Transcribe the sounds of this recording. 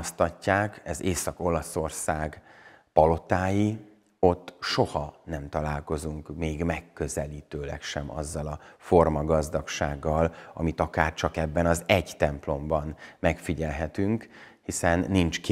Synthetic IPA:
st̪ɒcːaːkɛzeːsɒko̞lɒso̞rsaːɡpɒlo̞t̪aːji | o̞t̪ːʃo̞hɒnɛmt̪ɒlaːlko̞zuŋkmeːɡmɛkːø̞zɛliːt̪øːlɛ̰kʃɛmɒ̰zːɒlɒfo̞rmɒɡɒzd̪ɒkʃaːɡːɒlɒ̰mit̪ɒkaːrt͡ʃɒkɛbːɛnɒzɛɟt̪ɛmplo̞mbɒnmɛkfiɟɛlɦɛt̪yŋk | hisɛnːint͡ʃk

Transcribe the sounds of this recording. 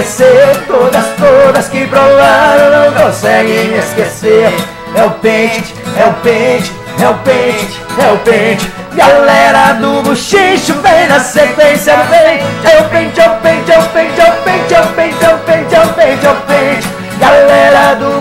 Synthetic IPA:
eseɾt̪od̪ɐst̪od̪ɐskɪpɾolɐɾnɐ̃w̃kõsɛɡẽj̃eskeseɾ | ɛʊpẽt͡ʃɪ̥ɛʊpẽt͡ʃɪ̥ | hɛʊpẽt͡ʃɪt͡ʃɪ̥hɛʊpẽt͡ʃɪ̥ | ɡalɛɾɐd̪ʊbuʃiʃʊvẽj̃nɐsekwẽsjɐd̪ʊvẽj̃hɛwʊpẽt͡ʃɛwpẽt͡ʃɛwpẽt͡ʃɛwpẽt͡ʃɛwpẽj̃t͡ʃɛwpẽt͡ʃɛwpẽt͡ʃɛpẽt͡ʃɪ̥ | ɡalɛɾɐd̪ʊ

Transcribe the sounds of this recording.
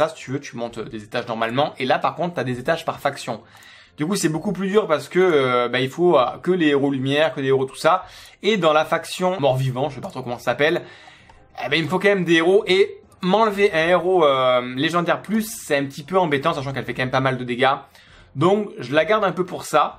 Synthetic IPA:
asi̥t̪yvøt̪ymɔ̃t̪ød̪ezet̪aʒnɔʁmalmɑ̃ʔelapaʁkɔ̃t̪χt̪yad̪ezet̪aʒpaʁfaksjɔ̃ | d̪ykusɛbokuplyd̪yʁpaʁsə̥kəøbailfoøkəleeʁolymjɛʁkəleeʁot̪u̥saed̪ɑ̃lafaksjɔ̃mɔʁvivɑ̃ʒəsɛpat̪χokɔmɑ̃sasapɛl | ebailməfokɑ̃mɛmd̪eːʁoʔe | mɑ̃ləveʔɛ̃eʁoøleʒɑ̃d̪ɛʁplysːɛɛ̃pət̪ipøɑ̃bet̪ɑ̃saʃ̬ɑ̃kɛlfɛkɑ̃mɛmpamald̪əd̪eɡa | d̪ɔ̃kʒəlaɡaʁd̪ɛ̃pøpuʁsa

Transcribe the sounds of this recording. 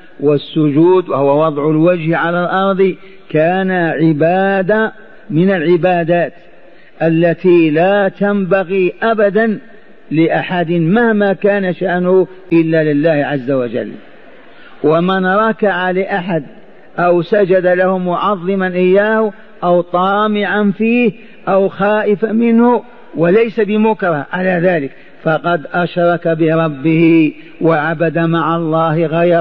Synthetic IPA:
wɪsːʊd͡ʒuːd̪wahʊwawɑðˤʕʊlwad͡ʒhʕalalʔɑɾˤd̪ˤ | kaːnaʕɪbaːd̪a | mɪnalʕɪbaːd̪aːt̪ | ʔalːat̪ilaːt̪ambaɣiʔabad̪an | lɪʔaħad̪ɪmahmakaːnaʃaʔnʊh | ʔɪlːalɪlːaːhʕazːawad͡ʒa̰lː | wamanɾˤɑkaʕalɪʔaħad̪̚ | ʔawsad͡ʒad̪alahʊmʊʕɑðˤːɨmanʔɪjːaːhʊ | ʔawt̪ˤɑːmɪʕanfiːh | ʔawxaːʔɪfamɪnhʊ | walajsabɪmʊkɑɾˤɑʕalaðaːlɪk | fɑqɑd̪ʔaʃɾˤɑkabɪɾˤɑbːɪhɪ | waʕabad̪amaʕalˤːɑːhɪɣɑjɾˤ

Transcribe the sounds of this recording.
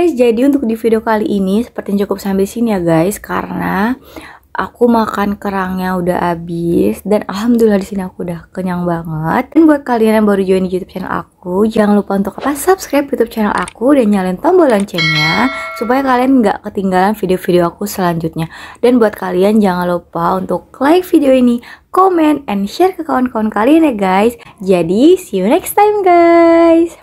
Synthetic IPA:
ɡajsd͡ʒadiunt̪ʊk̚difideokaliʔinisə̥pərt̪ijaɲt͡ʃukʊp̚sambɪlsinijaɡajska̰ɾəna | ʔa̰kumakankəɾaŋɲaudaɦabɪsdana̰lɦamd̪ulilːahdisiniakudahkəɲaŋbaŋət̪̚nbuat̪̚kalianjaŋbaɾud͡ʒuaindijut̪up̚t͡ʃɛnɛ̰lʔa̰k̚ud͡ʒaŋanlupaunt̪ʊkapasupskɾajp̚jut̪up̚t͡ʃɛnɛlʔa̰kudanɲalɛnt̪ɔŋbolɔɲt͡ʃɛnɲasupajakalianŋɡa̰ʔkət̪iŋɡalanfideofideoakusəlaɲd͡ʒut̪̚ɲadanbuat̪̚kaliand͡ʒaŋanlupaunt̪ʊk̚laɪk̚fideoinikomɛnt̪̚ɛnʃɛrkəkawankawankalianjaɡajsd͡ʒadisijunɛkst̪ajmɡajs

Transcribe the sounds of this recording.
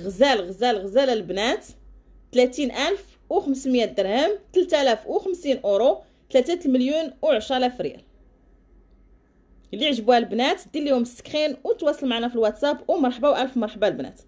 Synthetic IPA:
ɣəzælɣəzælɣəzælælbnæt̪ː | læt̪inʔælf | wxəmsmjæd̪əɾhəmt̪əlt̪ælæfwxəmsinʔuɾu | t̪læt̪æt̪lməljunwʕəʃɾɑlæfɾjæ̰l | liʕʒəbuhælbnæt̪d̪ilːihʊmst̪ə̥kxinwt̪wɑsˤːəlmaʕanæfilwæt̪sæpwmɑɾˤħbawʔælfmɑɾˤħbalbnæ̰t̪

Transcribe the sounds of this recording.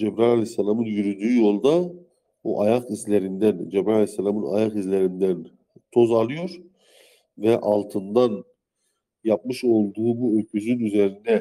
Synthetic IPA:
d͡ʒebɾalʲalʲesːalʲamɯnjyɾyd̪yːjo̞lˠd̪a | bṵʔajaqizlʲeɾind̪ænd͡ʒɛbɾalʲejsːalʲamɯna̰jaqizlʲeɾind̪æn | t̪ʰo̞zalˠɯjo̞ɾ̥ | vɛʔalˠt̪ʰɯnd̪an | jap̚mɯʃo̞lˠd̪uːbuøɾkʰyzynyze̞ɾind̪ɛ

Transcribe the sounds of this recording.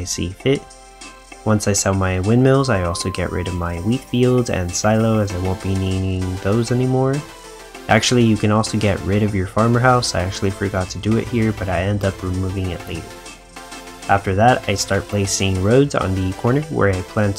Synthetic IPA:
ɪsḭfɪt̚ | wʌ̃nsaɪsɛlˠmaɪwɪ̃nmɪlˠzaɪɔlˠsoʊɡɛ̰ʔɹɪ̰ɾʌvmaɪwitfilˠdzɨ̰̃nsaɪlˠoʊɨzaɪwõʊ̃nb̥iniɾɪ̃ŋðoʊzɛnimɔɹ | ʔæk̚t͡ʃʉl̩ˠijɨkɨ̃nɔlˠsoʊɡɛʔ̚ɹɪɾʌvjə˞fɑɹmə˞ɦaʊsaɪæk̚t͡ʃʉul̩ˠifə˞ɡɑtʰɨdɨɪ̰t̚hiɹbʌɾaɪɛ̃ndʌpʰɹimuvɪ̃ŋɪ̰ʔˡleɪɾə˞ | ʔæftə˞ðɨɾa̰ɪstɑɹt̚pʰl̥eɪsɪ̃ŋɹoʊdz̰̃n̩ðɨkʰɔɹnə˞wə̰˞aɪpʰl̥æ̃nt

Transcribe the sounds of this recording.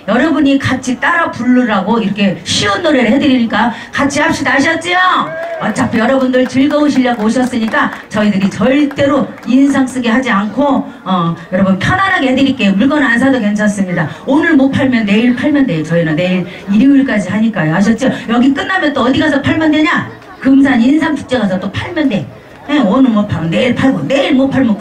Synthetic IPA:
jʌɾʌbuɲikat͡ɕʰit͈aɾapuɭːuɾaɡoiɾʌkʰe̞ɕʰiunːoɾehe̞dɯɾiɲik͈akat͡ɕʰiap̚ɕ͈idaɕ̬ʰʌt̚t͡ɕ͈ioʌt͡ɕ͈apʰejʌɾʌbundɯɭt͡ɕɯɭɡʌoɕʰiʎːaɡooɕʰʌs͈ɯɲik͈at͡ɕʌidɯɾit͡ɕʌɭt͈e̞ɾo | ins̬ʰaŋs͈ɯɡiɦad͡ʑiankʰo | ʌjʌɾʌbunpʰjʌnanɦaɡeɦedɯɾik͈emuɭɡʌnans̬ʰadoke̞nt͡ɕʰʌs͈ɯmɲida | onɯɭmot̚pʰaɭmjʌnːe̞iɭpʰaɭmjʌnde̞ot͡ɕʌinanne̞iɾ | iɾiiɭk͈ad͡ʑiɦaɲik͈ajoaɕ̬ʰʌt̚t͡ɕ͈ojʌɡik͈ɯnːamjʌnt͈oʌdiɡasʰʌpʰaɭmjʌndwe̞ɲa | kɯms̬ʰaɲinsʰaŋt͡ɕʰu̥k̚t͡ɕ͈e̞ɣasʰʌt͈opʰaɭmjʌnde̞ | eonɯɭmopʰamʌnːe̞iɭpʰaɭɡone̞iɭmot̚pʰaɭmo

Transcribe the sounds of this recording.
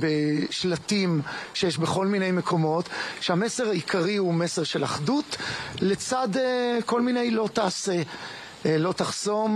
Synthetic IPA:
beʃlatimʃejɛʃbeχo̞lmine̞jme̞kʰo̞mo̞t̪ʃeamese̞ʁaikʰaʁiumeseʁʃe̞la̰χdutlet͡sadeko̞lmine̞jlo̞t̪aːse̞ | lo̞taχso̞m

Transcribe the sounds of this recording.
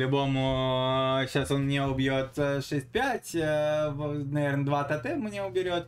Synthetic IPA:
lʲʊbo̞mʊ | ɕaso̞nmnʲeʊbʲjot̪ʂɛsʲt̚ʲpʲætʲ | nɐvʲernəd̪vat̪ɐt̪ɛmʊnʲeʊbʲɪɾʲo̞t̪

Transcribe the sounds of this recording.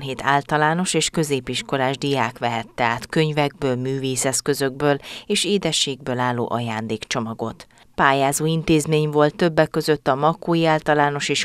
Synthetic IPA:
ɦeːt̪ʰaːlt̪ɒlaːno̞ʃeːʃkø̞zeːpiʃko̞laːʒd̪ijaːkʋɛɦɛt̪ːɛaːt̪køɲvɛɡ̚bøːlmyːveːsɛskø̞zøɡ̚bøːleːʃeːd̪ɛʃːeːɡ̚bøːlaːlːo̰ːʔɒjaːnd̪eːkt͡ʃo̞mɒɡo̞t̪ | paːjaːzoːint̪eːzmeːɲvo̞lt̪ːøbːɛkkːø̞zøt̪ːɒmɒkoːjiaːlt̪ɒlaːno̞ʃeːʃ

